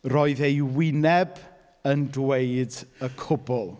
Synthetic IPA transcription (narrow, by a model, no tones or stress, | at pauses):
rɔɨðejwɪnɛb | əndwejdəkʰʊbʊlˠ